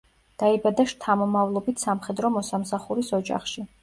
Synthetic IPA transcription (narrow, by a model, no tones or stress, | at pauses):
d̪̥aibad̪aʃt̪ʰamɔmavlˠɔbit̪ʰsamχɛd̪ɾɔmɔsamsaχuɾisɔd͡ʒa̰χʃi